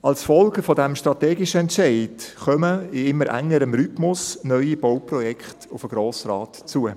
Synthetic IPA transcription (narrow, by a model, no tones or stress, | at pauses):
ɑlsfɔlɡəfɔdæmʃtɾɑtɛːɡɪʃəɛntʃɛɪdχœməɪɪmːəɾʔæ̰ŋːəɾəmɾytmʊsnœʏib̥owpɾɔjɛkχtʊfəɡ̥ɾoːsɾɑːtt͡suə